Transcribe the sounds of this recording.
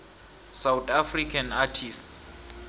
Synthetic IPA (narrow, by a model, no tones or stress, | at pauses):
sawtafrikʰanatʰists